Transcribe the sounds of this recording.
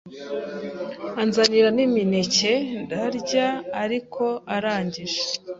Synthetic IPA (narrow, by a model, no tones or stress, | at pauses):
anzaniɾaniminice̞ndaɾɟaːɾikʰo̞aɾaːɲɟiʒe